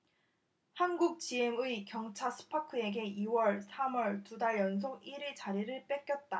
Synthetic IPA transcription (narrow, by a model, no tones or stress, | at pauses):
hanɡuk̚t͡ɕiɦeŋɯikjʌŋt͡ɕʰasʰɯ̥pʰakʰɯe̞ɡe̞ʔiwʌɭsʰamwʌɭtudaɭjʌns̬ʰoɡiɾiɭt͡ɕaɾiɾɯɭp͈ek͈jʌt̚t͈a